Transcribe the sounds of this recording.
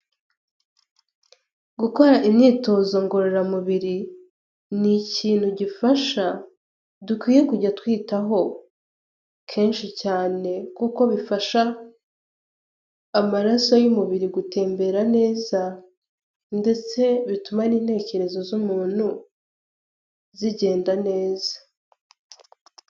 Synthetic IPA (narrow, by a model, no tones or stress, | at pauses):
ɡuko̞ɾaʔimɲiːto̞ːzo̞ŋɡoɾeɾamuβiɾi | niciːn̥huɟifaʃa | dukwiːje̞kuɟatwiːtaɦo̞ | kʰe̞ːnʃicaːne̞kuko̞βifaʃa | maɾaso̞jumuβiɾiɡute̞ːmbe̞ɾane̞ːza | nde̞t͡se̞βitumaniːnhe̞ːce̞ɾe̞zo̞zumuːn̥hu | ziɟe̞ːndane̞ːzḁ